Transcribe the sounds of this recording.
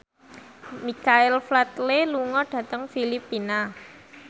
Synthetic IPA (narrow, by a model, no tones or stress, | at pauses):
mikaɪlflat̪leluŋɔɖ̥ä̤t̪əŋfilipina